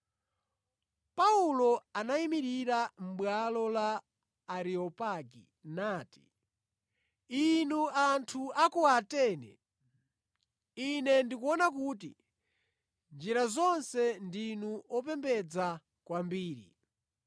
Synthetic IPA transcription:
paulɔanaimiɾiɾam̩ɓwalɔlaː | ɾiɔpaɡḭ | naːti̥ | inuantʰuakuatɛːnɛ̰ | inɛndikuɔnakuːti | nd͡ʒiɾazɔnsɛndinuʔɔpɛmbɛd͡za | kwambiːɾḭ

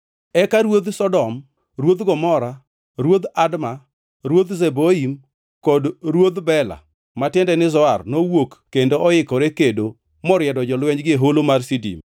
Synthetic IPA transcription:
ɛkaɾwod̪sɔdɔm | rwod̪ɡɔmɔɾa | ɾwod̪adma | ɾwod̪zeboim | kɔdɾwod̪bɛla̰ | matɪndɛnɪzɔarnowokːendoʔɔɪkɔɾekedo | mɔɾjɛdɔd͡ʒɔlwɛɲd͡ʒɡɪɦolomarsidḭm

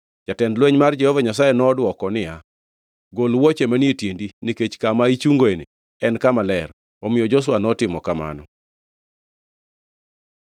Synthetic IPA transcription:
t͡ʃatɛndlweɲmard͡ʒɛhɔvaɲas̬ajenɔːdwɔkɔnɪja | ɡolwɔt͡ʃemanietjendiniket͡ʃkamait͡ʃuŋɡoene | ɛnkamalɛr | ɔmɪjɔd͡ʒɔs̬wanɔtɪmɔkama̰nɔ

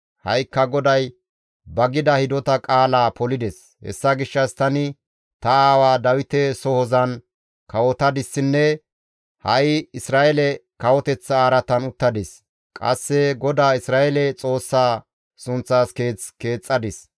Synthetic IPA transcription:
hɐ̰jkːɐɡɔd̪ɐj | bɐɡɪd̪ɐhɪd̪ɔt̪ɐkʼaːlaːpɔlɪd̪ɛs | hɛ̰sːɐɡɪʃːɐst̪ɐnɪ | t̪ɐaːwaːd̪ɐwɪt̪ɛsɔhɔzɐn | kɐwɔt̪ɐd̪ɪsːɪnːɛ | hɐjɪsɾaːʔɛlɛkɐwɔt̪ɛt͡sːɐːɾɐt̪ɐnʊt̪ːɐd̪ɪs | kʼɐ̰sːɛɡɔd̪aːɪsɾaːʔɛlɛt͡sʼo̞ːsːaː | sʊnt͡sːaːske̞ːt͡ske̞ːt͡sʼːɐd̪ɪs

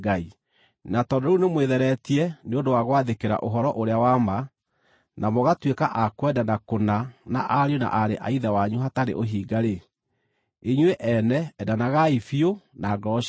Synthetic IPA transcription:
ɡai | natɔndɔunemweðɛɾɛtiɛneondowaɣwaðekeɾa̰ʔoɦɔɾɔʔoɾeawama | namoɣatwekaʔakwɛdanakonanaʔaɾeona̰ʔaɾeʔa̰iðawaɲuɦataɾḛʔoɦiːɡaɾe | eɲweʔɛnɛɛdanaɣaifionaɡɾɔʃ

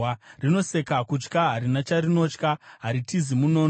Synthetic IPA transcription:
rino̞se̞kakut͡ʃkaɦaɾinat͡ʃarino̞t͡ʃkaɦaɾitizimuno̞ːn

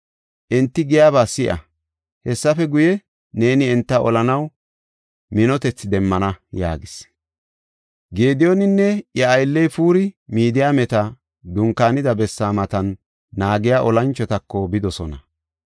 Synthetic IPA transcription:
ʔɛnt̪ːɪɡɪjaːβaːsɪʔɐ̰ | hɛsːɐfɛɡʊjɛ | ne̞ːnɪɛnt̪ːɐɔlɐnɐw | mɪnɔt̪ɛt͡sːɪd̪ɛmːɐnɐja̰ːɡɪs | ɡe̞ːd̪ɪjɔnɪnːɛjɐːjlːɛjfuːɾɪmiːd̪ɪjaːmɛt̪ɐ | d̪ʊŋkːaːnɪd̪ɐbɛsːaːmɐt̪ɐnː | aːɡɪjaːʔɔlɐnt͡ʃːɔt̪ɐkːɔbɪd̪ɔsɔnɐ

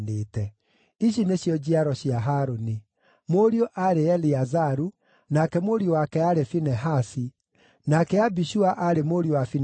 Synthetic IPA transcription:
neːtɛ | iɕineɕjɔd͡ʑiaɾɔɕiaɦaɾoni | moɾioʔaɾeɛliazaɾu | nakɛmoɾiowakɛaɾefinɛɦasi | nakɛabiʃuaʔaɾemoɾiowafin

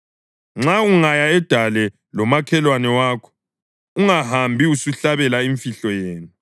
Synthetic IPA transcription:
ŋ͡ǁauŋajaɛd̥ʱalɛ | lɔmakʰɛlwanɛwaːkʰɔ̥ | uŋaɦambʱiusuɬaβɛlaiɱfiɬɔjeːnu

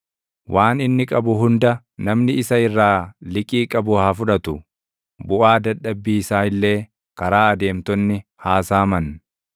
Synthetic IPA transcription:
wʔaːnɪnːɪkʼɐbʊɦʊnd̪ɐ | nɐmnɪɪsɐɪrːaːlɪkʼiːkʼɐbʊhɐfʊᶑɐt̪ʊ | bʊʔaːd̪ɐᶑɐbːiːsaːɪlːe̞ː | kɐɾaːɐd̪e̞ːmt̪ɔnːɪhaːsaːmɐn

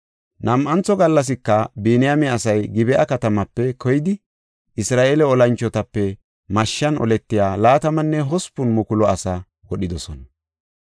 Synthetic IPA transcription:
nɐmʔɐnt͡sːɔɡɐlːɐs̬ɪkːɐbiːnɪjamɛɐsɐjɡɪbɛʔɐkɐt̪ɐmɐpːɛkʰɔjɪd̪ɪ | ʔɪsɾaːʔelɛɔlɐnt͡ʃːɔt̪ɐpːɛ | mɐʃːɐnɔ̰lɛt̪ːɪjaːlaːt̪ɐmɐnːɛɦɔspːʊnmʊkʊlɔɐsɐ | wɔɗɪd̪ɔsɔnɐ

